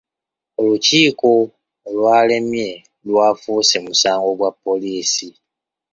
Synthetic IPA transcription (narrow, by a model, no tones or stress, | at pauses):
oluciːko | lwaːle̞mje̞ | lwaːfuːsemusaːŋɡo̞ɡwapːo̞liːsi